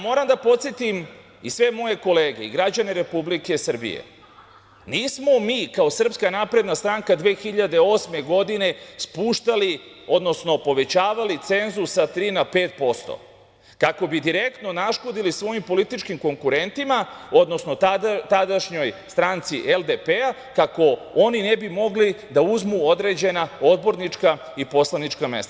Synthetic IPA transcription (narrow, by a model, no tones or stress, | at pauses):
mo̞ːɾamd̪apo̞t̪sjet̪im | isʋe̞mo̞je̞ko̞le̞ːɡe̞ḭɡɾad͡ʑane̞ɾe̞publike̞sr̩bḭjḛ | niːsmo̞miːkao̞sr̩pskanapɾe̞d̪nast̪ɾaŋkad̪ʋe̞ːxiʎad̪e̞o̞ːsme̞ɡo̞d̪ine̞spuːʃt̪alio̞d̪no̞sno̞po̞ʋe̞t͡ɕaːʋalit̪se̞nzusat̪ɾiːnape̞ːt̪̚po̞st̪o̰ | kako̞bid̪iɾe̞kt̪no̞naʃko̞d̪ilisʋo̞jimpo̞lit̪it͡ʃkimko̞ŋkuɾe̞nt̪imao̞d̪no̞sno̞t̪ad̪aʃɲo̞jst̪ɾant̪siʔeld̪epea | kako̞oninebimo̞ɡlid̪auzmuo̞d̪ɾe̞d͡ʑe̞naod̪bo̞ɾnit͡ʃka | ipo̞slˠanit͡ʃkame̞̰st̪aa